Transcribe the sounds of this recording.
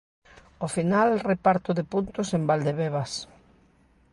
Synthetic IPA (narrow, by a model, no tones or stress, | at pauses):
ofinalrepaɾt̪ʊðepunt̪ʊsembald̪eβeβas